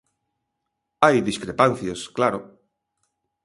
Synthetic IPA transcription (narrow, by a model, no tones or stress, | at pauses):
ajðiskɾepan̟θjosklaɾo